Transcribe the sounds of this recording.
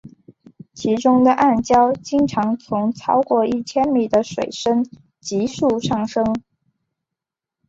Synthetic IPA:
t͡ɕʰi˧˥ʈ͡ʂʊ˥ŋd̪ə˨ʔa˥˩nt͡ɕjɑ˥ʊt͡ɕi˥ŋʈ͡ʂʰɑ˧˥ŋt͡sʰʊ˧˥ŋt͡sʰɑ˥ʊkwɔ˥˧i˥˩t͡ɕʰjɛ˥nmi˨˩d̪ə˦ʂwe˨˩ɪʂə˥n | t͡ɕi˧˥ʂu˥˧ʂɑ˥˩ŋʂɤ˥ŋ

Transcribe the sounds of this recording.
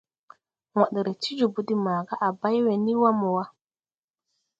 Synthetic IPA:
wa˨ɗɾe˨ti˦d͡ʒu˨bu˨˦di˦maː˨ɡa˦ʔa˨ba˦jwe˨ni˦wa˦mɔ˨wa˦

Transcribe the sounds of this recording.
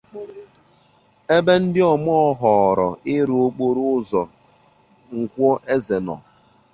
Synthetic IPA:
e˦be˦n̩˦dɪ˦ɔ˨mɔ˦ɔ˦ɦɔ˨ɾɔ̰˨ɪ˦ɾo˦k͡po˦ɾʊ˦ʊ˦zɔ˨ | ŋ̩˨kʷɔ˦ʔe˦ze˨nɔ̰˨

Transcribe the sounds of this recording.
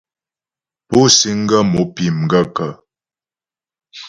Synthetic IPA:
po˦si˦ŋ̩˦ɡə˦mo˨˦pi˨m˨ɡə˦kə˨

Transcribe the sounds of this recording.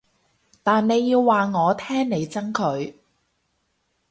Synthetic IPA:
t̪aː˨nne˨˧jːiː˧wːaː˨ŋɔː˨˧t̪ʰɛː˥ŋne˨˧jt͡sɐ˥ŋkʰɵ˨˧ɥ

